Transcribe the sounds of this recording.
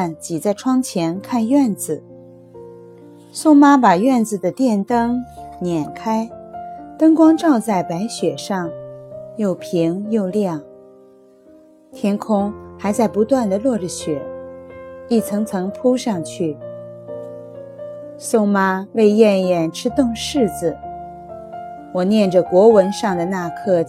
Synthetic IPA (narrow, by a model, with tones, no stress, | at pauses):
a˥˩nt͡ɕi˨˩t͡sa˥˩ɪʈ͡ʂʰwɑ˥ŋt͡ɕʰjɛ˧˥nkʰa˥˧nɥɛ˥˩nd͡zɹ̩˨˩ | sʊ˥ŋma˥pa˨˩ɥɛ˥˩nd͡zɹ̩˨˩d̪ə˩t̪jɛ˥˩nt̪ɤ˥ŋnjɛ˨˩nkʰa˥ɪt̪ɤ˥ŋkwɑ˥ŋʈ͡ʂɑ˥˧ʊt͡sa˥˩ɪpa˧˥ɪɕɥɛ˨˩ʂɑ˥˧ŋjo˥˩ʊpʰi˧˥ŋjo˥˧ʊljɑ˥˩ŋ | t̪ʰjɛ˥nkʰʊ˥ŋxa˧˥ɪt͡sa˥˩ɪpu˧˥t̪wa˥˩nd̪ə˩lwɔ˥˩ʈ͡ʂə˧˩ɕɥɛ˨˩˦ | i˥˩t͡sʰɤ˧˥ŋt͡sʰɤ˧˥ŋpʰu˥ʂɑ˥˧ŋt͡ɕʰy˥˩ | sʊ˥ŋma˥we˥˧ɪjɛ˥˩njɛ˨˩nʈ͡ʂʰɻ̩˥t̪ʊ˥˧ŋʂɻ̩˥˩d͡zɹ̩˩ | wɔ˨˩njɛ˥˩nʈ͡ʂə˩kwɔ˧˥wə˧˥nʂɑ˥˩ŋd̪ə˩na˥˧kʰɤ˥˩